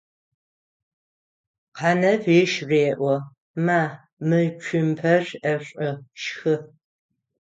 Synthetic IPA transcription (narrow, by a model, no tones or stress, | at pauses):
qʰɑːnɐfɪʃreːʔʷɔ | maː | mɨt͡ʃʷʰʊmpʰɐrɐɕʷʼɪʃxɨ